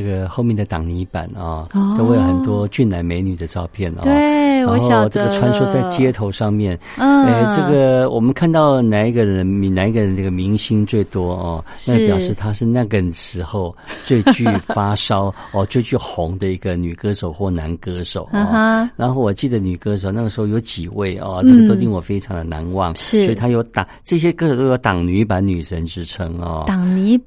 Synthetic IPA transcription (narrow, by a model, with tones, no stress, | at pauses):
ə˥˩ɡə˩xo˥˧ʊmjɛ˥˩d̪ə˩t̪ɑ˨˩ŋni˧˥pa̰˨˩˦nɐ˧a˥we˥˧jo˧˩xə˨˩nt̪wɔ˥t͡ɕy˥˩nna˧˥nme˧ɪny˨˩d̪ə˦ʈ͡ʂɑ˥˧ʊpʰjɛ˥˩nʔe˥˩a˧˦xo˥˧ʈ͡ʂɤ˥˩ɡə˨ʈ͡ʂʰwa˧˥nʂu˥t͡sa˥˩ɪt͡ɕjɛ˥t̪ʰo˧˥ʊʂɑ˥˧ŋmjɛ˥˩n | e˥˩ɪʈ͡ʂɤ˥˩ɡə˩wʔɔ˨˩mə˦nkʰa˥˧nt̪ɑ˥˩ʊna˨˩ni˧˥ɡə˧ɻə˧˦d̪ə˧m˧˩na˧˥ni˧˥ɡə˧˨ə˧na˥˩ɡə˩mi˧˥ŋɕi˥nt͡swe˥˩ɪt̪wɔ˥ɔ˥˧na˥˩ɡə˨˩pjɑ˨˩ʊʂɻ̩˥˩t̪ʰa˥ʂɻ̩˥˧na˥˩ɡə˨˩ʂɻ̩˧˥xo˥˧ʊt͡swe˥˧ɪt͡ɕy˥˩˥fa˥ʂɑ˥ʊɔ˥˧t͡swe˥˧ɪt͡ɕy˥˩xʊ˧˥ŋd̪ə˧i˧˥ɡə˧ny˨˩kɤ˥ʂo˨˩ʊxwɔ˥˩na˧˥nkɤ˥ʂo˨˩˦ʊ˧˥˦ɻa˧˥nxo˥˩ʊwɔ˨˩t͡ɕi˥˩d̪ə˩ny˨˩kɤ˥ʂ̬o˨˩ʊna˥˩ɡə˩ʂɻ̩˧˥xo˥˩ʊjo˧˥ʊt͡ɕi˨˩we˥˩ɪʔɔ̰˧ʈ͡ʂɤ˥ɡə˨to˥ʊi˥˩wɔ˨˩fe˥ɪʈ͡ʂʰɑ˧˥ŋd̪ə˨na̰˧˥nwɑ̰˥˩ŋs̩˥wɔ˧˥i˨t̪ʰa˥jo˧˥ʊt̪ɑ˨˩ʈ͡ʂɤ˥˩ɕ̬jɛ˥kɤ˥ʂo˨˩t̪o˥jo˧˥ʊt̪ɑ˨˩ŋny˧˥pa˧˥ny˨˩ʂə˧˥nʈ͡ʂɻ̩˥ʈ͡ʂʰɤ˥ŋɔ̰˥˧t̪ɑ˨˩ŋny˧˥